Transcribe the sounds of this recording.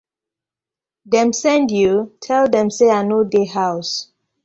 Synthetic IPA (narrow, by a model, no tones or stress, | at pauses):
dɛ̃msɛ̃ndjutʰɛldɛ̃mseanodehaʊs